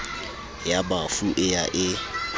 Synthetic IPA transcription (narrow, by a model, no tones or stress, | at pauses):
jabafuʔɪjaʔɪ